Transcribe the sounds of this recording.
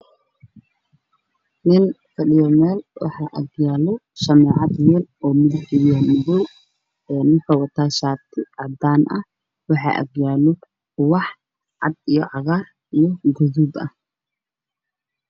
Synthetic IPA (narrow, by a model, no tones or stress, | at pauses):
nɪnkʰɐɗɪjɔmɛːlwɑ̰ħɑʔɐ̰ɡjaːlɔʃɐmɛːʕɑd̪wɛːlɔːmɪðħɪjɔmʊðɔw | ɛːnɪnkʰɐwɑt̪ʰaːʃaːt̪ʰɪʕɑd̪aːnʔɐh | wɑħɑ̰ːʔɐ̰ɡjaːlɔ | ʊwɑħ | ʕɑ̰d̪ijɔ̰ʕɑɣar | ijɔɡɔðuːd̪ɐh